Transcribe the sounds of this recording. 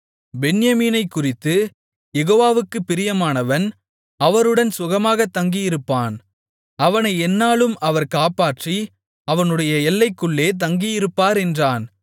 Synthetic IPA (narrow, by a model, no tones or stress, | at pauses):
bɛɳɪjɐmiːnɐɪkːʊrɪt̪ːɯ | jɛɣoːʋaːʋɯkːɯpːɪɾɪjɐmaːnɐʋɐn | ɐʋɐɾɯɽɐnsʊɣɐmaːɣɐt̪ːɐŋɡijɪɾɯpːaːn | ɐʋɐnɐɪɛnːaːlɯmɐʋɐɾkaːpaːʈri | ɐʋɐnɯɽɐjɐɛlːɐɪkːɯɭːeːt̪̬ɐŋɡijɪɾɯpːaːɾɛndraːn